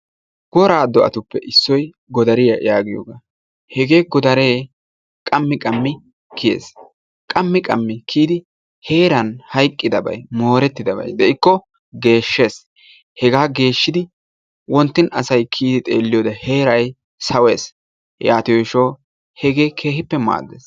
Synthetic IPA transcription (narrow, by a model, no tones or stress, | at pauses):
ɡ̥ɔɾaːd̪ɔʔɐ̰t̪ʊpːɛʔɪsːɔj | ɡɔd̪ɐɾɪjɐjaːɡɪjo̰ːɡaː | hɛɡe̞ːɡɔd̪ɐɾeː | kʼɐmːɪkʼɐmːɪ | kʰɪjḛːs | kʼɐmːɪkʼɐmːɪkʰiːd̪ɪ | he̞ːɾɐnhɐjkʼːɪd̪ɐbɐ̰jmo̞ːɾɛt̪ːɪd̪ɐbɐ̰jd̪ɛɪkːɔ | ɡe̞ːʃːe̞ːs | hɛɡaːɡe̞ːʃːɪd̪ɪ | wɔnt̪ːɪnɐsɐjkʰiːd̪ɪt̪ʼe̞̰ːlːɪjoːd̪ɐhe̞ːɾɐj | sɐwe̞ːs | jaːt̪ɪjɔʃɔː | hɛɡe̞ːkʰeːhɪpːɛma̰ːd̪ːeːs